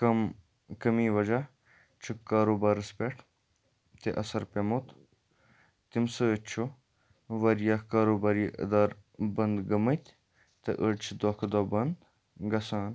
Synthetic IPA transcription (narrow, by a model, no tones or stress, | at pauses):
ɐm | kɐmiːʋɐd͡ʒaː | t͡ʃʰuaːɾoːbaːɾəspeʈʰ | t̪eʔɐsɐɾpemot̪ | t̪imsɨət͡ʃʰo | ʋɐɾjaːkaːɾoːbaːɾiːʔə̰d̪aːɾbɐnd̪ɡɐmət̪ʲ | t̪ɐ̰ʔəɖt͡ʃʰid̪oːkʰd̪oːbɐnd̪ | ɡɐsaːn